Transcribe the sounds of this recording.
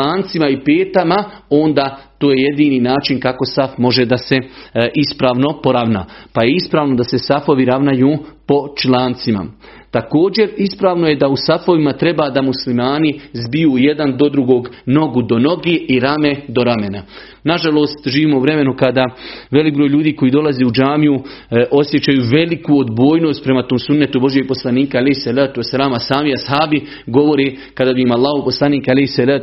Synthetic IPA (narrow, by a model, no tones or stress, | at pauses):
aːnt̪simaipeːt̪amao̞nd̪aːt̪oːje̞je̞d̪iːniːnaːt͡ʃinkako̞safmo̞ʒe̞d̪ase̞ʔispɾaːʋno̞po̞ɾaʋna̰ːpajeispɾaːʋno̞d̪ase̞safo̞ʋiɾaʋnajuːpo̞t͡ʃlaːnt̪sima̰ | t̪ako̞ːd͡ʑe̞ɾispɾaːʋnoje̞d̪ausafo̞ʋimat̪ɾe̞baːd̪amuslimaːnizbijuːje̞d̪and̪o̞d̪ɾuɡo̞ːɡno̞ɡud̪o̞no̞ɡeːʔiɾamed̪o̞ɾame̞na | naʒalˠo̞ːst̪ʒiːʋiːmo̞uʋɾe̞me̞nukad̪aʋe̞lik̚bɾojlʎuːd̪iːko̞iːd̪o̞lazeːud͡ʒaːmiuʔo̞sje̞t͡ɕajuːʋe̞likuod̪bo̞ːjno̞ːst̪̚pɾe̞mat̪oːmsunːet̪ubo̞ʒjeɡ̚po̞slˠaniːkaalehsalaːt̪uwesalaːmasaːmiashaːbi | ɡo̞ʋo̞ɾeː | kad̪aːbiimalˠːaːhoposlˠaniːkalehsalaːt̪